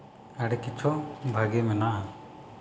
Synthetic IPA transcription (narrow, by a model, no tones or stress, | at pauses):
aɽɛkit͡ʃʰɔʔbʱaɡɛmɛnaʔa